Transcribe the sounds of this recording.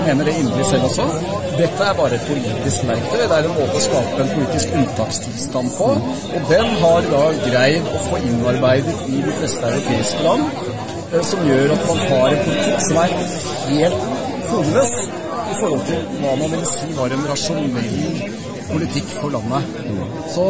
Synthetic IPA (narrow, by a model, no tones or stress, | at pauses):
meːnəɖɛɪnɾɪsɛlːɔsːɔ | d̪ɛt̪ːəæɾbɑːɾəɛt̪̚pʰʊliːt̪ɪsklæɪkt̪əd̪ɛæɾɛnmoːt̪əɔskɑːpəɛnpʰʊliːt̪ɪskʉnt̪ʰɑːkst̪ʰɪlst̪ɑnd̪pʰɔ | ʔɔd̪ɛnɦɑɾd̪ɑɡɾæɪd̪ɔfoːʔɪnːɑɾbæɪd̪ət̪ɪd̪ɛnflɛst̪əɑʉɾʊpʰeːɪskəlɑnː | sɔmjøːɾɑt̪mɑnhɑɾɛnpʰʊlɪt̪ʰɪkːsɔmæɾ | heːlt̪ | fubʉləs | ɪfɔɾhɔlt̪ʰɪlʋɑːmɑnʋɪlsiːʋɑːɾɛnɾɑʂʊnɛlː | pʰʊlɪt̪ʰɪkːfɔɭɑnːə | sɔ